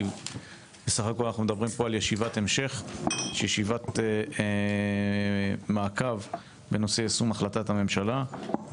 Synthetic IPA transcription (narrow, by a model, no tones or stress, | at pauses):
b̥esaχakolanaχnumed̪abʁimpo̞aljeʃivat̪e̞mʃe̞χʃjeʃivat̪ | maːkav | beno̞seasumaχlat̪athame̞mʃala